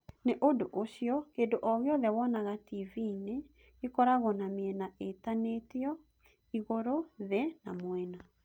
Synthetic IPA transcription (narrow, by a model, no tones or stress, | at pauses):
neʔodoʔoɕjɔkeːndoʔɔɣeɔðɛwɔnaɣativine | ekɔɾaɣɔnamiɛnaʔetaneteɔ | iɣoɾoðɛnamwɛna